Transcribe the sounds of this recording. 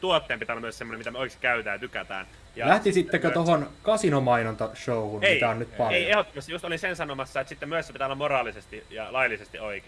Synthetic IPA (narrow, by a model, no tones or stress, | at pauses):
t̪uot̪ːeːmpit̪ælɑmyøssemːonemit̪æmøoˑikesti̥kæyt̪æːjt̪ykæt̪æ̰ːn | jɑlæht̪isit̪ːekøt̪ohonkɑsinomɑinont̪ɑʃouhuneiæonnyt̪pɑleiehot̪ːomɑst̪ijust̪olinsensɑnomɑsːɑet̪sit̪ːemyøssepit̪æolːɑmorɑːlisest̪ijɑlɑilːisest̪ioike